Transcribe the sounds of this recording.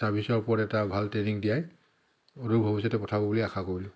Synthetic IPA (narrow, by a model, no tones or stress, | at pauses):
tabisɔɹpɔɹɛtabʱaltɹeniŋdijaj | odubʱɔbisatɛpɔtʰabɔbuliaxʰakoɹilʊ